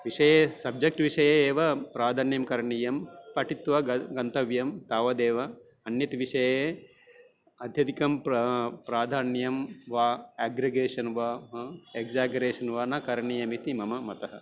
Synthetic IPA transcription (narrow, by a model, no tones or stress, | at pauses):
ʋiʂɐjeːsɐb̚d͡ʒɐk̚ʈʋiʃɐjeeːʋɐpɾaːd̪ʱaːnjɐmkɐɾɐɳiːjɐmpɐʈit̪ʋɐɡɐnt̪ɐʋjɐmt̪aːʋɐd̪eːʋɐ | ɐnjɐt̪ʋiʃɐjeː | ɐd̪ʱjɐt̪ikɐmppɾaːd̪ʱaːnjɐmʋaːæːɡɾɐɡeːʃɐnʋaːeɡzaːɡɐɾeːʃɐnʋaːnɐkɐɾɐɳiːjɐmit̪imɐmɐmɐt̪ɐɦɐ̰